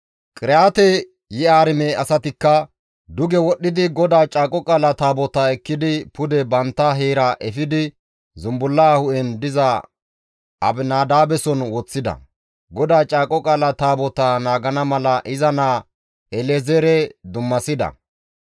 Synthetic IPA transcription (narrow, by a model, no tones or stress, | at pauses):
kʼɪɾaːt̪ɛ | jɛaːɾɪmɛɐsɐt̪ɪkːɐ | d̪ʊɡɛwɔɗːɪd̪ɪɡɔd̪aːt͡ʃʼaːkʼɔkʼaːlɐt̪aːbɔt̪aɛkːɪd̪ɪpʊd̪ɛbɐnt̪ːɐɦeːɾɐʔɛfɪd̪ɪ | zʊmbʊlːaːhʊʔɛnd̪ɪzɐ | ɐbnaːd̪aːbɛsɔnwɔt͡sːɪd̪ɐ̰ | ɡɔd̪aːt͡ʃʼaːkʼɔkʼaːlɐt̪aːbɔt̪anaːɡɐnɐmɐlɐʔɪzɐnaː | ɛlɛzɛɾɛd̪ʊmːɐsɪd̪ɐ̰